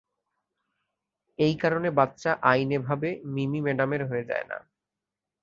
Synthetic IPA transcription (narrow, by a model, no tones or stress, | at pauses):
ejkaɾonebatːɕaʔajnebʱabemimimeɖameɾɦoed͡ʑa̰ena̰